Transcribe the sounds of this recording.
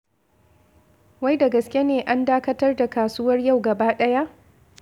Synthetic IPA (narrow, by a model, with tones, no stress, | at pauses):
wa˦jda˨ɡɐ˨skʲje˦neː˨ʔa˦ndaː˦kɐ˦tɐ˦rda˨kaː˨suː˦wɐ˦rja˦˨wɡɐ˨baː˦ɗɐ˦ja˦ʔ